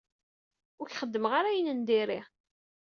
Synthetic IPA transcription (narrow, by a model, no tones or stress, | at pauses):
ʊɾçχəd̪ːəmʁaɾæjənənd̪iɾi